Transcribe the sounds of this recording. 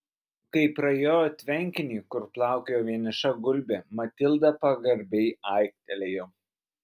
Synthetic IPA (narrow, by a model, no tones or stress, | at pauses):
kɐɪpɾɐjoːjot̪ʲʋʲɛŋʲkʲɪnʲiːkʊɾplˠɑˑʊkʲejoːʋʲiɛnʲɪʃɐɡʊlʲbʲemɐt̪ʲɪlˠd̪ɐpɐɡɐɾʲbʲɛɪɐˑɪk̚t̪ʲɛlʲejoː